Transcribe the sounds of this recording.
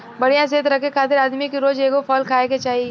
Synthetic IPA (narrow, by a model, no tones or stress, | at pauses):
bɐɽ̤ijãs̬eːt̪ɾɐkʰekʰaːt̪ɪɾaːd̪mikiɾoːd͡ʒeːɡopʰɔːlkʰaːeket͡ʃaːɦi